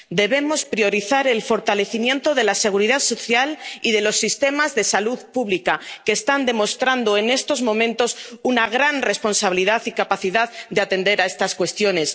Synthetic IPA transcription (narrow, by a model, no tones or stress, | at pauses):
d̪e̞βe̞mo̞spɾio̞ɾiθaɾe̞lfo̞ɾt̪ale̞θimje̞nt̪o̞ðe̞lase̞ɣ̞uɾiðaðso̞θjaliðe̞lo̞sːist̪e̞mazðe̞saluðpuβlikake̞ːst̪and̪e̞mo̞st̪ɾand̪o̞e̞ne̞st̪o̞zmõ̞mẽ̞nt̪o̞sunaɣ̞ɾanre̞spo̞nsaβiliðaθikapaθiðaðd̪eat̪e̞nd̪e̞ɾaest̪askwe̞st̪jo̞ne̞s